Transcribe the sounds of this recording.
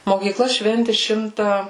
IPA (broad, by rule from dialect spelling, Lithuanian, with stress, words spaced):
moːkʲiːˈklˠɐ ˈʃʲʋʲɛnʲtʲɪ ˈʃʲɪmtɐ